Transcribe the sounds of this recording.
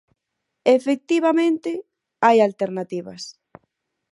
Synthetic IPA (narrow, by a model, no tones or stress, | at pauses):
efek̚t̪iβamẽnt̪ɪ | ajalt̪eɾnat̪iβɐ̰s